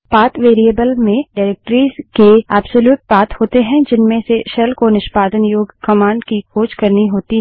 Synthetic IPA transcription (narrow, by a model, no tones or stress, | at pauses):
paːt̪ʋeːɾieːbəlmẽɖaːɾeːk̚ʈəɾiːzkeaːbsoljuːʈ̚baːt̪hoːt̪eɦɛ̃d͡ʒɪnmẽseʃɛlkonɪʃpaːd̪ənjoːɡkɐmãːɳɖkikʰoːt͡ʃkɐɾniɦoːt̪iɦ